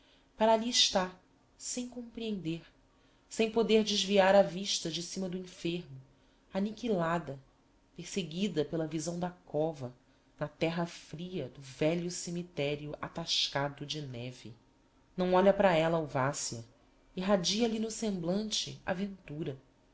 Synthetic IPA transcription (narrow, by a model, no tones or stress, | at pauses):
paɾaliɪʃt̪a | sẽj̃kõpɾiẽnd̪eɾ | sẽj̃pod̪eɾd͡ʒɪʒviaɾɐviʃt̪ɐd͡ʒɪsĩmɐd̪ʊĩfeɾmʊ | anikilad̪ɐ | pehseɡid̪ɐpelɐvizɐ̃w̃d̪ɐkɔvɐ | nɐt̪ɛɦɐfɾiɐd̪ʊvɛʎʊsemit̪ɛɾiʊʔa̰t̪aʃkad̪ʊd͡ʒɪnɛvɪ̰ | nɐ̃w̃ɔʎɐpɾɐɛlɐawvasiɐ | iɦad͡ʒiɐlinʊsẽmblɐ̃nt͡ʃɪ̰a̰vẽnt̪uɾɐ